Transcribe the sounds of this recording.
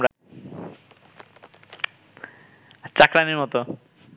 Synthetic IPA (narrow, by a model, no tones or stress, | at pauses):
ɾa | t͡ɕakɾaniɾmɔt̪o